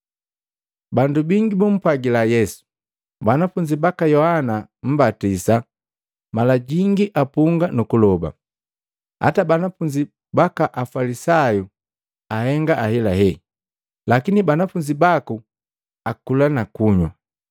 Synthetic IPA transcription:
bandubiŋɡibum̩paɡilajɛsu̥ | banafuɲd͡ʒibakajɔhanam̩batisa | malaɟiŋɡiʔapuŋɡanukulɔba̰ | ha̰tabanafuɲd͡ʒi | bakaʔafalisaju | ahɛŋɡaʔahɛlaɦɛ | lakinibanafuɲd͡ʒibaku | akulanakuɲwa̰

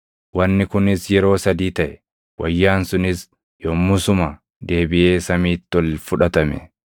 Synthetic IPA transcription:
wɐnːɪkʊnɪsjɛɾo̞ːsɐd̪iːt̪ɐʔɛ | wɐjːaːnsʊnɪs | joːmːʊsʊmɐ | d̪e̞ːbɪʔe̞ːsɐmiːt̪ːɔlfʊᶑɐt̪ɐmɛ̰

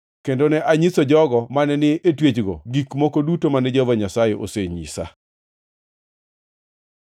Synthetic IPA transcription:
kendonɛʔaɲisod͡ʒɔɡɔmanɛnɪʔetwet͡ʃɡo̰ɡikmokodutomanɛd͡ʒovaɲasajeʔo̰seɲḭsa̰

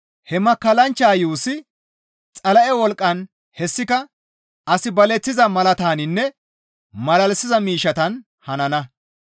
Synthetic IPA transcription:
hɛmɐkːɐlɐnt͡ʃːaːjuːsɪ | t͡sʼɐlɐʔɛwɔlkʼːɐn | hɛsːɪkɐ | ɐsɪbɐlɛt͡sːɪzɐmɐlɐt̪aːnɪnːɛ | mɐlɐlsɪzɐmiːʃɐt̪ɐn | hɐnɐnɐ

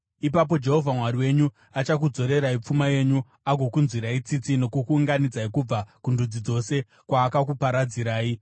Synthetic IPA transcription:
ipap̬o̞d͡ʒe̞ɦo̞vʱamwaɾiwe̞ɲu | at͡ʃak̬ud͡zo̞ɾe̞ɾaip͡fumaje̞ɲu | aɡʱo̞kunzwiɾait͡sit͡sino̞kukuːŋɡanid͡zaikub͡vakundud͡zid͡zo̞se̞ | kwaːkakupaɾad͡ziɾaːi

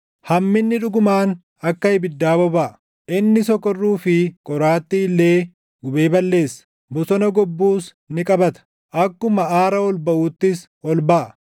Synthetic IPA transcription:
hɐmːɪnːɪᶑʊɡʊmaːn | ɐkːɐɪbɪd̪ːaːbɔbɐʔ | ʔɪnːɪsɔkːɔrːuːfɪkʼɔɾaːt̪ːiɪlːe̞ː | ɡʊbe̞ːbɐlːe̞ːsːɐ̥ | bɔsɔnɐɡɔbːuːs | nɪkʼɐbɐt̪ɐ̥ | ʔɐkːʊmɐʔaːɾɐɔlbɐʔuːt̪ːɪs | ɔlbɐʔ

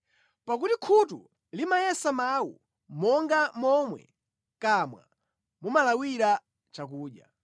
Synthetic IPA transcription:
pak̬utikʰutṵ | limajɛsamawṵ | mɔŋɡamɔmwɛ̰ | kamwa̰ | mumalawiɾa | t͡ʃakuːɗja

